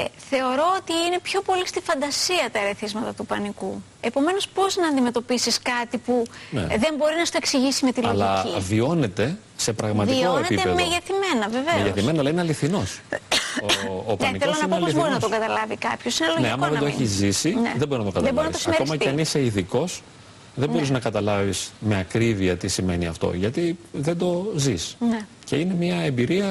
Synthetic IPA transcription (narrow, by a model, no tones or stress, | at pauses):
ḛθe̞oɾo̞ot̪iine̞pçopo̞list̪ifɐnd̪ɐsiɐt̪ɐɾeθizmɐt̪ɐt̪upɐniku | e̞po̞me̞no̞spo̞znɐːnd̪ime̞t̪o̞pisiskɐt̪ipunḛðe̞mbo̞ɾinɐst̪oeksiʝisime̞t̪ilɐolɐivio̞ne̞t̪e̞ | se̞pɾɐɣmɐtvioonepieemeʝeθime̞nɐveveʝeθimenɐlɐineɐliθino̞s | oːpɐnikθeolosnɐinoɐlpoizboɾinɐt̪oɡɐt̪ɐlɐvikɐpçosineloneɐmɐɐðed̪o̞eçizːisineðeboiznɐt̪oɡɐɐðeboɾinɐt̪osiɐekosmɐceeɐniseiðiko̞s | ðebo̞ɾiznɐkɐt̪ɐlɐvisme̞ɐkɾiviɐt̪isime̞niɐ̰ft̪o̞̰ʝɐt̪iðend̪o̞zisne | ce̞ine̞mɲiɐe̞mbiɾiɐ